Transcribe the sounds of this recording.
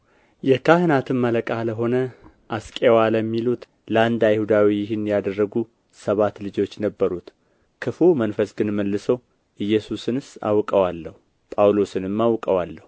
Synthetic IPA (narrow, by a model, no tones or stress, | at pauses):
jɛkʰahɨnat̪ʰɨnmələkʼaləɦo̞nə | ʔaskʼewaləmːilut̪ | ləand̪ajɪhud̪awijɪhɪnjad̪ərːəɡu | səβat̪lɨd͡ʒo̞t͡ʃːnəbːəɾut̪ | kʰɨfumənfəsɡɨnməlːɨsəw | ʔɨjːɛsusɨnɨsa̰wkʼəwalːəhu | pʼawlosɨnɨmːawkʼəwalːəhu